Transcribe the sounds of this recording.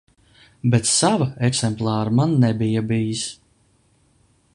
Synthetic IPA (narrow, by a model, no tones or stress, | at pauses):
bɛt̪savaɛksɛmplˠɑːɾamanːɛbijabijis